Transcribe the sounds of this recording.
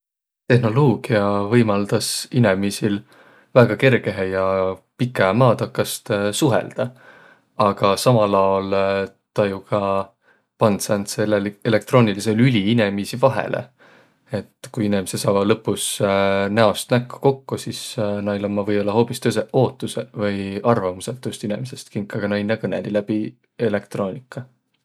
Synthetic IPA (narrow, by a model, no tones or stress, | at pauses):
t̪e̞hno̞lo̞ːɡ̥iɑvɤjmɑld̪̥ɑsine̞misil | væːɡ̥ɑke̞rɡ̥e̞ɦejɑpikːˑɑmɑːt̪ɑkːˑɑst̪suɦḛld̪̥ɑ | ɑɡ̥ɑsɑmɑlɑol | t̪ɑjukʰɑ | pɑnd̪sænt̪selːeele̞k̚t̪ro̞ːnilise̞lylʲiinemisivɑɦḛlʔḛ | e̞t̪ːkujinimisesɑːvɑlɤpːusnæost̪nækːu̥ko̞kːusisnɑilomːɑvɤjo̞lːɑɦo̞ːpist̪øseo̞ːt̪ːˑusevɤjɑrvɑmuset̪ːˑust̪inemise̞st̪kiŋkːˑɑɡ̥ɑnɑinːɑkɤnḛlilæb̥i | e̞le̞k̚t̪ro̞ːnʲikːˑɑ